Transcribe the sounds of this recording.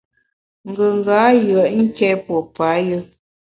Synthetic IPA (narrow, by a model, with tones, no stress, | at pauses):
ŋ̩˨ɡə˨ŋ˨ɡa˨˦jɰə˨ʔŋ̩˦kɛ˦pɔ˨pa˨˦jə˦